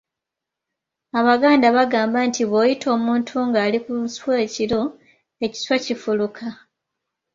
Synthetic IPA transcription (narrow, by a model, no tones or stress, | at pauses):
aβaɡaːndaβaɡaːmbantʰiβojitʰo̞ːmuːntʰuŋɡaːlikuswe̞ːcilo̞ | e̞ci̥swacifulukʰa